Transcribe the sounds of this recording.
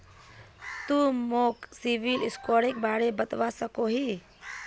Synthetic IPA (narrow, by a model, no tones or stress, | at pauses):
t̪umoːksiʋilɪskɔːɾɪk̚baːɽebɐt̪ʋasəkoɦiː